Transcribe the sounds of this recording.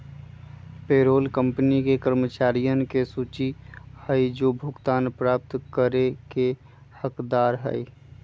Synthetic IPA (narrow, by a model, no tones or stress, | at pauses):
peːɾoːlkə̃mpnikekəɾmət͡ʃaːɾijənkesuːt͡ʃihəid͡ʒoːbʱʊɡt̪aːnpɾaːp̚t̪kəɾeke | həkd̪aːɾɦə̰i